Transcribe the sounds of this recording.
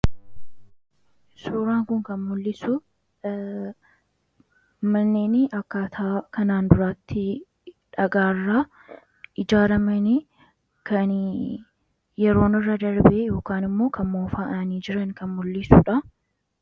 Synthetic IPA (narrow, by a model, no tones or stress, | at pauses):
suːɾaːŋkʊŋkɐnmʊlːɪsʊ | mɐnːeːnɪʔɐkːat̪ʰaːkɐnaːnd̪ʊɾaːt̪ːɪ | ᶑɐɡaːrːaː | ʔɪd͡ʒaːɾɐmɐnɪ | kɐn | jɛɾo̞ːnɪrːɐd̪ɐɾbejo̞ːkaːnɪmːo̞ːkɐmmoːfaːʔɐniːd͡ʒɪɾɐnkɐnmʊlːɪsʊᶑɐ